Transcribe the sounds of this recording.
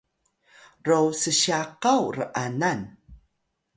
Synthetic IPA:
rowsəɕaqawrəʔanan

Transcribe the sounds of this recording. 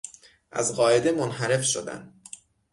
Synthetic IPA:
ʔæ̰zɢɒːe̞d̪e̞monɦæɾe̞fʃo̰d̪æ̰n

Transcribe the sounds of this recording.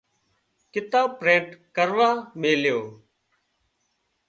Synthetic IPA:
kɪt̪aːpɾẽːɳʈkəɾʋaːmeːljoː

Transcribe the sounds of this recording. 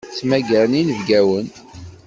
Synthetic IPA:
t͡sːmæɡəɾninəvɡæwən

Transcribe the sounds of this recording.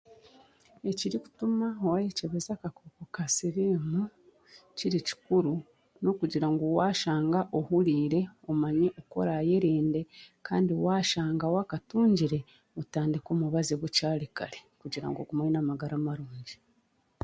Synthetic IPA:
e̞ciɾiku̥tumaowajeceβezakakokokasiɾimu | ciɾici̥kuɾu | no̞kuɟiɾaŋɡowaːʃaːŋɡaʔohuɾiːɾe̞omaɲeʔoko̞̰ɾaje̞ɾiːnde̞kʰa̰ːndiowaːʃaːŋɡawakatuːɲɟiɾe̞ | otaːndikoːmuβaziβucaːlikalekuɟiɾa̰ŋɡoɡumainamaɡaɾamaɾuːɲɟi

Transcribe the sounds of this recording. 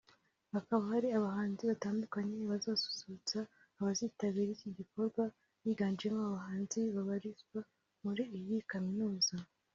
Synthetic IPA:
hakaβahaɾiaβahaːnziβataːndukaɲe̞βazaːsu̥suut͡saː | βaziːtaβiɾiciɟiko̞ɾɡwa | jiːɡaːnd͡ʒiemoaβaɦaːnziβaβaɾizɡwa | muɾiijikaminuːza

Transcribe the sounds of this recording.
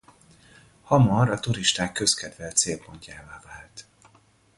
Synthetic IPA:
hɒmɒɾɒt̪uɾiʃt̪aːkːø̞skɛd̪vɛlt̪seːlpoɲcaːvaːvaːlt̪

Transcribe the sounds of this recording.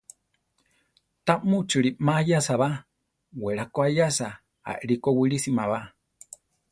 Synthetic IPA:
t̪amũt͡ʃɨɾimajasaβa | weɾakoajasa | a̰ʔɾikowiɾisimãβa

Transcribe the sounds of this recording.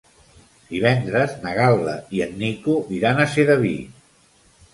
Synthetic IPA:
d̪̥iβ̞ɛnd̪ɾəznəɣalˠːə̰iənːikuðiɾanəseðəβḭ

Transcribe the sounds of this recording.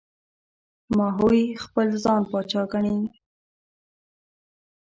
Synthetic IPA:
mɑɦojxpəlzɑnpɑt͡ʃɑkaɳi

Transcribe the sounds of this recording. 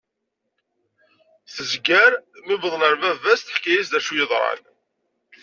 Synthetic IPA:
θəzɡæɾmibəðˤləɾvævæsθəħkːijisd̪æʃujəðˤɾˤɑ̰n

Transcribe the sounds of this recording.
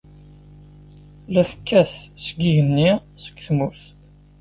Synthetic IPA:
læsəkːæssəɡiʝənːisə̥kʷːθmuθ

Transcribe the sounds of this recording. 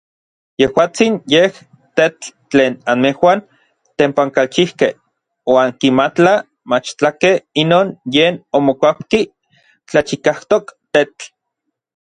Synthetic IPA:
jehwaːt͡sinjeh | t̪etː | t͡ɬeːnanmehwan | t̪empaŋkalt͡ʃihkeh | waːŋkimat͡ɬa | mat͡ʃt͡ɬakehinoːnjeːnomokʷapki | t͡ɬat͡ʃikaht̪okt̪et͡ɬ

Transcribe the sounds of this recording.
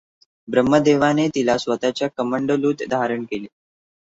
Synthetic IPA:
bɾəmːəd̪eʋanet̪ilasʋət̪at͡ɕjakəməɳɖəluːt̪d̪ʱaɾəɳkeleː

